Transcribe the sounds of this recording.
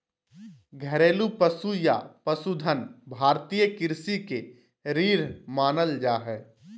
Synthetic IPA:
ɡʱəɾeːlupəsujapəsud̪ʱənbʱaːɾt̪iːjəkɪɾsike | ɾiːɾmaːnəld͡ʒaːɦɛː

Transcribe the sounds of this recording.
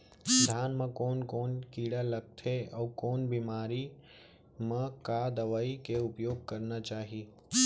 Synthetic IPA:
d̪ʱjaːnmɐ̃koːnkoːnkiːɽalɐɡ̚t̪ʰeɔːkoːnbiːmaːɾi | mɐ̃kad̪ɐʋaːikeʊpjoːɡ̚kɐɾnat͡ʃaːɦiː

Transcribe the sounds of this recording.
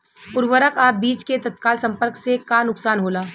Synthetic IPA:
pʊɾʋəɾəkaːbiːt͡ʃket̪ɐt̪̚kaːlsɐ̃mpəɾksekanʊksaːnɦoːlaː

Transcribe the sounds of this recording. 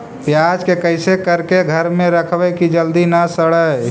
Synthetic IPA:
pjad͡ʒkekəɪsekəɾkeɡʱəɾmeɾəkʰbɛkid͡ʒəld̪inasəɽəj

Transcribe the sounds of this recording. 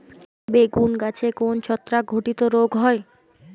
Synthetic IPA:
beɡunɡat͡ɕʰekont͡ɕʰɔt̪ːɾaɡʱoʈit̪oɾoɡɦɔe

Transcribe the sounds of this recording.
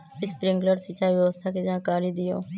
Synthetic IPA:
ɪspɾɪ̃ŋɡləɖsɪt͡ʃaːʋjəʋəst̪ʰaːked͡ʒãːkaːɾiːd̪ɪjo̰ː

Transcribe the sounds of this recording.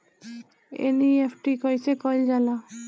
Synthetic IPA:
ḛniepʰʈikojt͡ɕʰekɔld͡ʑala

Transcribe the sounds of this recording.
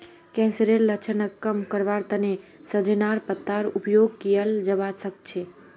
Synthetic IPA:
kɛ̃nsəɾelːət͡ʃʰənəkːəmkəɾʋaɾt̪ənesəd͡ʒenaɾpət̪ːaɾupjoɡ̚kijəld͡ʒəbasək̚t͡ʃʰe

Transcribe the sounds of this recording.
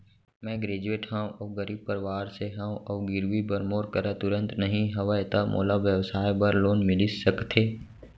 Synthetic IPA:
mɛ̃ɡɾeːd͡ʒueːʈɦɛ̃ʔɔːɡəɾiːb̚pəɾɪʋaːɾseɦɛ̃ɔːɡɪɾwibəɾmoːɾkəɾat̪ʊɾə̃nt̪nəɦĩɦɐʋaet̪amʔo̰ːlaʋjəʋsaːjbəɾloːnmɪlisəkt̪ʰeː

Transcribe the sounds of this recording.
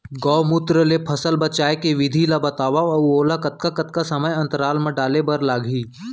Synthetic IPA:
ɡɔːmʊt̪ɾəlepʰɐsəlbɐt͡ʃaːekeʋɪd̪ʱilabɐt̪aːʋaɐwoːlakɐt̪̚kakɐt̪̚kasɐməjɐ̃nt̪əɾaːlmə̃ɖaːlebɐɾlaːɡʱiː

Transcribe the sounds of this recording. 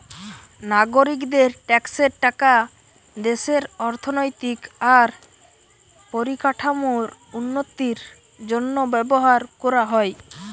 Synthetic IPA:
naɡoɾikd̪eɾʈɛkseɾʈaka | d̪eseɾɔɾt̪ʰonojt̪ikaɾ | poɾikaʈʰamoɾunːot̪iɾ | d͡ʒonːobɛboɦaɾkɔɾaɦɔj

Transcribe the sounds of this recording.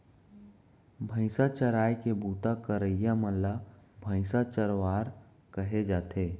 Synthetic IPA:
bʱə̃ɪ̃sat͡ʃəɾaːjkebuːt̪akəɾəɪjamə̃labʱə̃ɪ̃sat͡ʃəɾwaːɾ | kəɦed͡ʒaːt̪ʰeː

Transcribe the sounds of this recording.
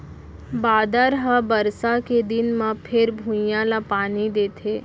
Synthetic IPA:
baːd̪əɾɦabəɾsaked̪ɪnmãpʰɪɾbʱũjãlapaːnid̪eːt̪ʰeː

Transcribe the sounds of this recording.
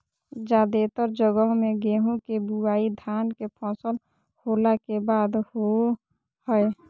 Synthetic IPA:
d͡ʒaːd̪et̪əɾd͡ʒəɡəɦmẽɡeːɦũkebuaːid̪ʱaːnkepʰɔ̃ːsəl | holakebaːd̪ho | həe

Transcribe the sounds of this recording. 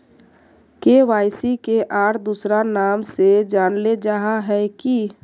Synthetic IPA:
keʋaːjsikeʔaːɾd̪usɾanaːmsed͡ʒaːnled͡ʒaɦaɦɛki

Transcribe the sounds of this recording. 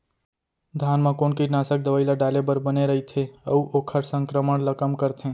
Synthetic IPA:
d̪ʱaːnmãkoːnkinaːsək̚d̪əʋəɪlaɖaːlebəɾbəneɾɐɦit̪ʰeə̰uʔoːkʰəɾsə̃ŋkɾəməɽ̃ləkəmkəɾt̪ʰẽː

